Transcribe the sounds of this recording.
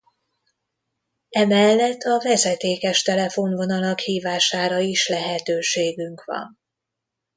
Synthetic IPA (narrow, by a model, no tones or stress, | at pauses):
ɛmɛlːɛt̪ʰːɒvɛzɛt̪eːkɛʃt̪ɛlɛfonvo̞nɒlɒkhiːvaːʃaːɾɒiʃlɛɦɛt̪øːʃeːɡyŋkvɒ̰n